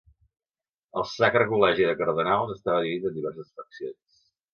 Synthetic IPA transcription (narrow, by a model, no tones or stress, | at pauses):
əlˠsakɾəkulɛʒiðəkəɾð̞ənalˠzəst̪aβəðiit̪ənd̪iβɛrsəsfəksions